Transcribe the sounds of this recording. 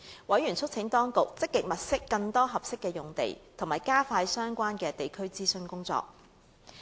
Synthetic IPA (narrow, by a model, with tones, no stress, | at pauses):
wɐ˨˥jɥyː˨˩nt͡ʃʰɵ˥t̚t͡sʰɪ˨˥ŋt̪ɔː˥ŋkʊ˨k̚t͡sɪ˥kːɪ˨k̚mɐ˨t̚sɪ˥kːɐ˧ŋt̪ɔː˥ɦɐ˨p̚sɪ˥kːɛː˧jʊ˨ŋt̪ḛ˨˩jt̪ʰʊ˨˩ŋmaː˨˩jkaː˥faː˧jsœː˥ŋkʷaː˥nkɛː˧t̪e˨˩jkʰɵ˥ɥt͡siː˥sɵ˧nkʊ˥ŋt͡sɔ̰ː˨k̚